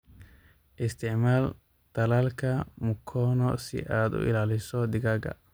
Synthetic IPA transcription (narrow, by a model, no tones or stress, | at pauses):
ʔɪst̪ʰɪʕmaːl | t̪ɐlaːlkʰɐmʊkʰːɔːnɔsɪ̰ʔaːd̪ʊ̰ɪ̰laːlɪsɔd̪ɪɡɐɡɐ̰